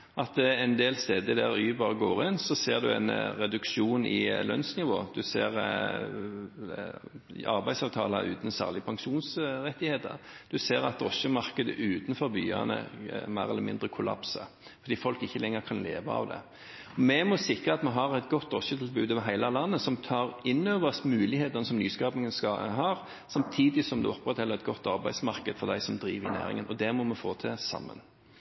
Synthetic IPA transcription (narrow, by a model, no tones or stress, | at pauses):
ʔɑt̪ɛnd̪eːlst̪eːd̪əd̪æɾyːbɑːʁəɡoːɾɪnsɔseːʁd̪ʉɛ̰nɾɛd̪ʉkʃuːnɪ̰lœnsnɪʋo̰ːd̪ʉseːɾ | ɑ̰ɾbæɪsɑːʋt̪ʰɑ̰ːlə̰ʉ̰ːt̪n̩sæ̰ːʁlɪəpʰɑŋʃuːnsɾɛt̪ːɪheːt̪ə̰ʁd̪̥ʉseːɾɑt̪ɾɔsəmɑʁkəd̪ə̰ʔʉːt̪n̩fɔɾby̰ːɑ̰nə̰mæːʁɛlːəɾmɪnd̪ʁəkʰʊlɑ̰psə̰ | ffɔɾd̪iːfɔlkɪçːəlɛŋːəɾkʰɑnlḛːʋɑ̰ɑ̰ʋd̪ɛ̰ | ɔmɛmɔsɪkɾəɑt̪mɛɦɑɾæɪt̪ɡɔt̪ːɾɔsət̪ʰɪlbʉːd̪əʋɦæɪlɑlɑnːəsɔmt̪ʰɑːɾɪnːøːʋəsmʉːlɪheːt̪ənəsɔmnyːskɑːpnɪŋənskɑɦɑːɾ | sɑmt̪ʰiːd̪ɪsɔmd̪ʉ̰ɔpɾɛt̪hɛlːəɾɛt̪̚ɡɔt̪ːɑɾbæɪsmɑɾkəd̪̥fɔɾd̪æɪsɔmd̪ɾiːʋɾɪnæ̰ːɾɪ̰ŋənʔɔd̪ɛmɔmɛfoːt̪ʰɛsɑ̰mːə̰n